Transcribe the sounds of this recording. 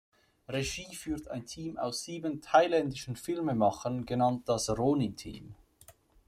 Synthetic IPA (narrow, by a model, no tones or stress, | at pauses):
ʁeʒiːfyːɐta̰ɪntʰiːma̰ʊsz̥iːbəntʰaɪlɛndɪʃn̩fɪlməmɑχənɡənɑnt̚d̥ɑsʁoːnitʰḭːm